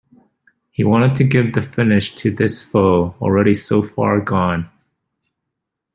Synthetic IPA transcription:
hiwɑ̃ɾ̃ɨd̚tʰɨɡɪvðɨfɪnɪʃtʰɨðɪsfoʊl̩ˠɹɛɾisoʊfɑ̰ɹɡɔ̃n

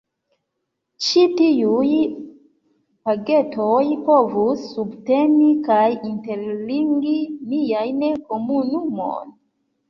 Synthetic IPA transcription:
t͡ʃitiuj | paɡe̞tʰojpo̞vusːubte̞nikajinte̞ɾliŋɡinijajnko̞munumo̰n

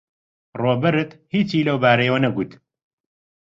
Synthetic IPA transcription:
roːbɐɾɨt̪hiːt͡ʃiːlɐwbaːɾejwɐnɐɡuːt̪

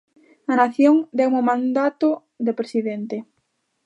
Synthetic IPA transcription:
ɐnaθjoŋd̪ɛwmomãnd̪at̪o | d̪epɾesiðent̪e

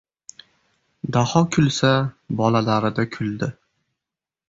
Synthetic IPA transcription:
d̪ahɒkʰʊlˠsabɒlalaɾɪd̪akʰʊld̪ɪ

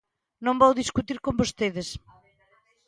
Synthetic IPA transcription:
nõmbowðiskut̪iɾkõmbost̪eðɪs

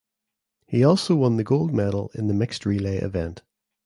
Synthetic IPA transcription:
hiɔˑlˠsoʊwʌ̃nðəɡoʊlˠd̚mɛdl̩ˠɪ̰̃nðəmɪkstɹiːleɪʔɪ̰vɛ̃nt

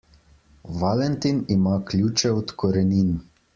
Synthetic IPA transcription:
ʋalɛnt̪inimaklʲjut͡ʃɛɔt̪kɔɾɛnin

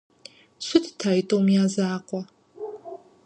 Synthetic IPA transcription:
ɕʷʊtʰtʰaːɪtʼowmjaːzaːqʷʼɔ

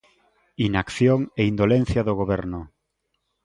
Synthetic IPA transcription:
inakθjoŋeind̪olen̟θjaðoɣoβɛɾnʊ

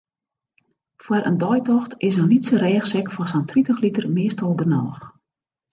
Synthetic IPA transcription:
fwəɾʔə̰ndɔjtɔxtɪsənnitsəɾɛːxsɛkfɔsantritəxlitərmɪəstɔlˠɡənɔːx

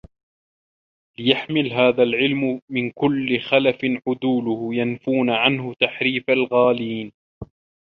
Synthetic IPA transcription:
lɪjaħmɪlɦaːðalʕɪlmʊmɪnkʊlːɪxalafɪnʕʊd̪uːlʊhʊjanfuːnaʕanɦʊt̪aħɾiːfalɣaːliːn

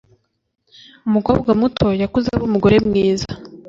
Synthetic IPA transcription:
umuko̞ːbɡwamutʰo̞jakuzaβomuɡo̞ɾe̞mŋiːza

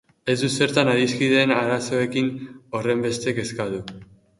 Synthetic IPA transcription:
e̞zd̪use̞ɾt̪anaɾiskiðe̞naɾaso̞e̞kino̞re̞mbe̞st̪eke̞skaðu

